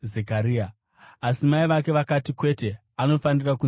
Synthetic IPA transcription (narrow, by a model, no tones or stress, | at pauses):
zekaɾiːa | asimaiʋak̬e̞ʋakatikwe̞te̞ | ano̞faniraku